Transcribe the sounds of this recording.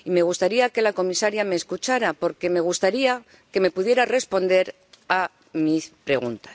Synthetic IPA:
ime̞ɣ̞ust̪aɾiake̞lako̞misaɾjame̞ːskut͡ʃaɾapo̞ɾke̞me̞ɣ̞ust̪aɾia | ke̞me̞puðje̞ɾare̞spo̞nd̪e̞ɾ | a | mispɾe̞ɣ̞unt̪ḁ

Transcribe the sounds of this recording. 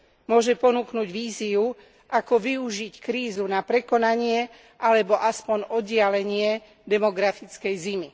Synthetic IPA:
mʊɔʒɛpɔnuknuɟʋiːziu | ʔakɔʋiuʒickɾiːzunapɾɛkɔnaɲɪɛ | ʔalɛbɔʔaspɔɲɔɟɪalɛɲɪɛ | d̪ɛmɔɡɾafit͡skɛjzimi

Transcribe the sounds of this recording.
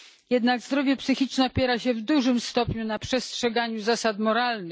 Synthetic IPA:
jɛd̪naɡzd̪ɾɔvʲjɛpsɘxʲit͡ʂnɛɔpʲjɛɾaɕɛvd̪uʐɘmst̪ɔpɲunapʂɛstʂɛɡaɲuzasat̪mɔɾalnɘx

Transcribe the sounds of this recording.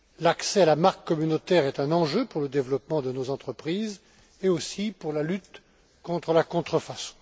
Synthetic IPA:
laksɛalamaʁkːɔmynot̪ɛʁɛt̪ɛ̃nɑ̃ʒøpuʁləd̪evlɔpmɑ̃d̪ənozɑ̃t̪χəpχiz | eosipuʁlalyt̪ | kɔ̃t̪χəlakɔ̃t̪χəfasɔ̥̃

